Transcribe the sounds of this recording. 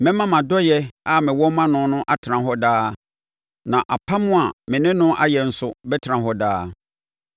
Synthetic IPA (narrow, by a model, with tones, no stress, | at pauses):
mɪ̃˦mã˦mã˨dɔ˦jɛ˦a˦mɪ̃˨wɔ˦mã˦nʊ̃˦nʊ̃˦ʔa˦tʰɪ˨ã˨ɦɔ˦daː˦ | nã˨ʔa˨pʰa˦mʊ̃˦a˨mɪ̃˨nɪ̃˦nʊ̃˦ʔa̰˦jɛ˨n̩˦sʊ˦bɛ˦tʰã˨ɦɔ˦daː˦